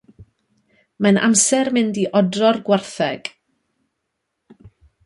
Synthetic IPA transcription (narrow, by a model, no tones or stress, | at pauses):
manʔa̰msɛrmɪndiʔɔdrɔrɡwarθɛɡ̥